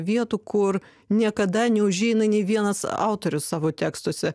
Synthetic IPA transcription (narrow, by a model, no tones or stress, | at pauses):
ʋʲiɛt̪uːkʊr | nʲiɛkɐd̪ɐnʲɛʊʒʲɛɪnɐnʲɛɪʋʲiɛnɐsɑ̰ˑʊt̪oːɾʲʊssɑːʋoːt̪ʲæːkst̪uɔsʲɛ